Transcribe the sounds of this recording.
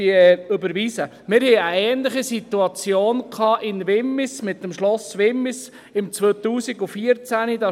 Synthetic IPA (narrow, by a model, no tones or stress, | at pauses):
iɵbəɾʋisə | mɪɾhɛɪəɛːnlɪχisit̪uɑt͡sjoːnkʰɑːʔɪnʋɪmːɪsmɪt̪̚ːəmʃlɔsʋɪmːɪs | ɪmt͡sʋoːt̪uːsiɡufiəɾt͡sænid̥ɑ